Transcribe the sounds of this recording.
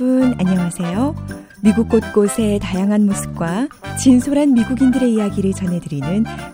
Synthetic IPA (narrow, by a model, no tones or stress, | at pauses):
una̰ɲʌŋasʰe̞jo | miɡuk̚k͈ot̚k͈osʰe̞tajaŋɦanmosʰɯ̥p̚k͈wat͡ɕinsʰoɾɦanmiɡuɡindɯɾe̞ijaɡiɾɯɭt͡ɕʌnɦe̞dɯɾinɯn